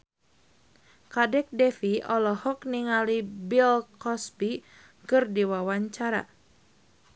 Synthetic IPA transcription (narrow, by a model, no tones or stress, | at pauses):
kadɛk̚dɛfiɔlɔhɔkniŋalibilkɔspi | kɨrdiwawaɲt͡ʃaɾa̰